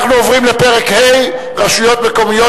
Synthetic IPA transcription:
χnuovʁimlepeʁekhej | ʁaʃujo̞t̪me̞ko̞mijo

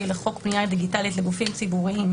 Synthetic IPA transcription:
ileχo̞kbniad̪iɡitalitleɡufimt͡sibuʁiim

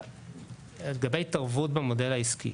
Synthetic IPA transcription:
lɡabejtaʁvutbemo̞de̞laiskḭ

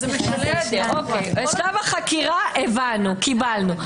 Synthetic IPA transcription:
d̪eokejeʃlavaχakiʁaʔevanukibalnu

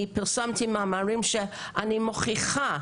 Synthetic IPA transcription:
ipɪɾsamtʰimaːmaɹimʃɛ | ʔanimoχiχa

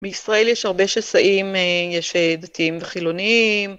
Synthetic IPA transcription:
beisʁae̞ljɛʃhaʁbe̞ʃasaʔimejɛʃed̪atiimveχilo̞niim

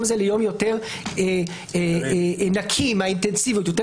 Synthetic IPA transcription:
mzelejo̞mjo̞te̞ʁ | e | enakʰimaint̪ensivjut̪jot̬e

